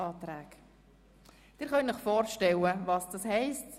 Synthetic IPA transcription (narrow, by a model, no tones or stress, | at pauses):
ɑːtɾæːk | d̥ɪːɾχœnnɪχfɔːɾʃtɛləvɑsd̥ɑshɛɪst